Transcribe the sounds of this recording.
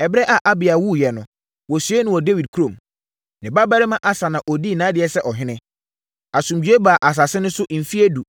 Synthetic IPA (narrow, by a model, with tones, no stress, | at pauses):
ɛ˨bɾɛ˦ʔa˨ʔa˦bɪ˨a˨wu˦jɛ˨nʊ̃˨ | wɔ˨sɥe˦nʊ̃˦wɔ˨de˦wi˨d̚kʰu˦ɾõ˨m | nɪ̃˨ba˦ba˦ɾɪ˦mã˦ʔa˦sa˨nã˨ʔɔ˨di˦˨nã˨˦dɪ˨ɛ˨sɛ˦ʔɔ˨ɦɪ̃˦nɪ̃˦ | a˨sũ˨md͡ʑᶣɥe˦ba˨ʔa˨s̬a˨sɪ˦nʊ̃˦sʊ˦ʔm̩˨fi˦e˦du˨